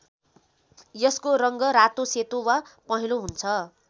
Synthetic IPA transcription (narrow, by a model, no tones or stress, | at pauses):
jʌskoɾʌŋɡʌɾat̪oset̪owapʌɦiloɦunt͡sʰʌ